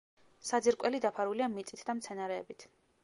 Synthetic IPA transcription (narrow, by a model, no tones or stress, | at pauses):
sad̪ziɾkʼwɛlid̪apʰaɾuliamit̪sʼit̪ʰd̪amt̪sʰɛnaɾɛ̰ːbit̪ʰ